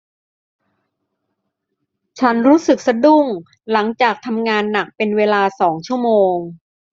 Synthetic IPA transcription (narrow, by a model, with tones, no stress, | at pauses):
t͡ɕʰa˦˥nɾuː˦˥sɯ˨˩k̚sa˧du˥˩ŋ | la˩˦ŋt͡ɕaː˨˩k̚t̪ʰa˧mŋaː˧nːa˨˩k̚pe˧nweː˧laː˧sɔː˩˦ŋt͡ɕʰu˥˩əmoː˧ŋ